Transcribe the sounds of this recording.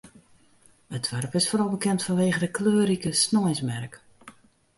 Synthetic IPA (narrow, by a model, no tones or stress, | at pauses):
ətʰʋɛrpɪsfoːrɑlˠbəkɛntfɔnʋeːɣədəkløːɾikəsnɔjsmɛrk